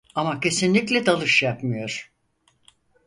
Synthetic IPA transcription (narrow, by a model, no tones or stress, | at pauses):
amacʰe̞sinlʲiclʲɛd̪alˠɯʃjapmɯjo̞ɾ̥